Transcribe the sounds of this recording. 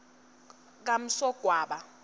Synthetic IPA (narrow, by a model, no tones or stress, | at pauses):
k̬am̩sɔɡ̥ʱwaːɓa